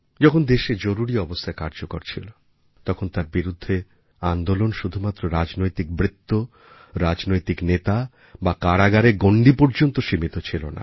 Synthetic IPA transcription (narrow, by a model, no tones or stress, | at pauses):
d͡ʑɔkʰond̪eʃed͡ʑoɾuɾiɔbost̪ʰaekaɾd͡ʑoko̰ɾt͡ɕʰilo | t̪ɔkʰont̪aɾbiɾud̪ʱːe | and̪olonʃud̪ʱumat̪ːɾoɾad͡ʑnojt̪ik̚bɾit̪ːo | ɾad͡ʑnojt̪iknet̪a | bakaɽaɡaɾeɡoɳɖipoɾd͡ʑont̪oʃimit̪ot͡ɕʰilo̰na̰